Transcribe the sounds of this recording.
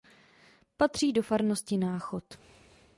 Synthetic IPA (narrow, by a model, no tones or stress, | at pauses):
pat̪r̝̥iːdo̞faɾno̞scɪnaːxo̞t̪